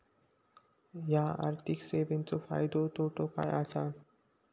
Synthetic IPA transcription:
jaa̰ɾt̪ʰikseʋent͡sofa̰jd̪ot̪oʈʰoka̰jasan

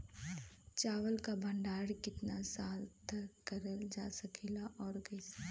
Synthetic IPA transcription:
t͡ʃaːʋəlkabʱɐ̃ɳɖaːɽkɪt̪nasaːlt̪ʰkəɾəld͡ʒaːsɐkʰilaʔɔːɾɡɛs

